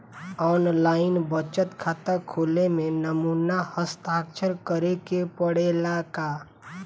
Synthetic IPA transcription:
ɔːnlaːɪnbət͡ʃət̪kʰaːt̪əkʰoːlemẽnəmuːnahəst̪aːkʃʰəɾkəɾekepəɽelaka

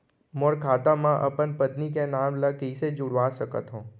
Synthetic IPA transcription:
moɾkʰat̪amãʔə̰pənpət̪nikenamləkiːsed͡ʒuɽʋaʃəkə̰t̪ɦõː

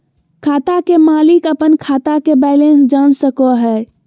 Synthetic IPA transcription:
kʰaːt̪akemaːlɪkəpənkʰaːt̪akebɛlẽnsd͡ʒansəkoɦɛː

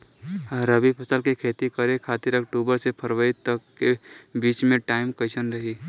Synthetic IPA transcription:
ɾəbipʰɐsəlkikʰeːt̪ikəɾẽkʰaːt̪ɪɾɐkʈuːbəɾsepʰəɾʋəit̪əkːebiːt͡ʃmẽʈaːɪmkəɪsənɾəɦiː

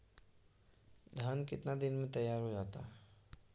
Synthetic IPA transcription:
d̪ʱaːnkɪt̪nad̪ɪnmẽt̪ɐjːaːɾɦod͡ʒaːt̪aːɦɛ

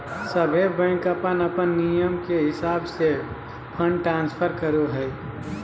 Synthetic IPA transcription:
səbʱebə̃ɪ̃kəpənəpənːijəmkeɦɪsaːbse | pʰə̃ɳɖʈɾãːnspʰəɾkəɾoɦɛj

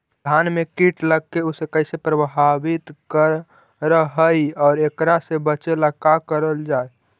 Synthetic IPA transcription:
d̪ʱanmekiʈləɡ̚keusekəɪsepɾəbɦabɪt̪kəɾ | ɾəɦəiɔːɾekɾasebət͡ʃelakakəɾəld͡ʒae

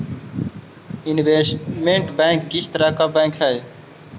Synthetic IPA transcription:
inʋesʈmeɳʈbɛ̃ːŋk̚ɡist̪ɾaːkabɛ̃ŋkɦɛj

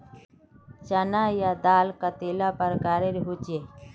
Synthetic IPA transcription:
t͡ʃənajad̪aːlkat̪eːlapəɾɡaːɾeɾɦut͡ʃeː

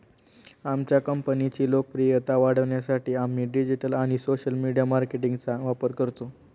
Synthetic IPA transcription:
amt͡ɕjakəmpənit͡ɕiːlok̚pɾijət̪aʋaɽ̤əʋɳjasaʈiːam̤iːɖid͡ʑiʈəlaɽ̃isoɕəlmiɽijamaɾkeʈiŋɡt͡saʋapəɾkəɾt̪o

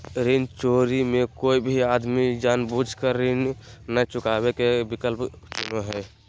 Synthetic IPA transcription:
ɾint͡ʃoːɾimẽkoibʱiad̪mid͡ʒaːnbud͡ʒʱkəɾːinnət͡ʃʊkaːbekebikəlp | t͡ʃunoɦɛ

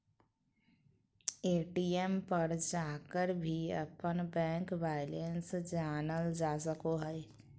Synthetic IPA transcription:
eːʈiɛmpəɾd͡ʒaːkəɾbʱiə̰pənbɛ̃ːŋkʋaːɪlənsd͡ʒaːnəld͡ʒaːsəkoɦɛ

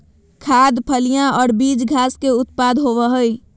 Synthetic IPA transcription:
kʰaːd̪pʰəlijãɔːɾbiːd͡ʒɡʱaːskeʊt̪̚pad̪ɦoʋəɦəj

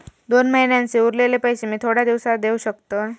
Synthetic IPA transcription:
d̪onməɦinjãnt͡seuɾlelepəɦjɕemiːt̪ʰoɽad̪iʋsad̪euɕəkt̪ə

